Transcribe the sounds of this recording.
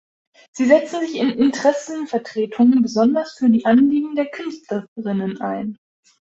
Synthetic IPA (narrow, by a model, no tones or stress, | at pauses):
z̥iːzɛt͡sn̩zɪçɪnɪntʰəʁɛsn̩fɛɐtʁ̥eːtʰʊŋənbəzɔndɐsfyːɐdiːʔanliːɡŋ̩deːɐkʰʏnstləʁɪnənʔaɪn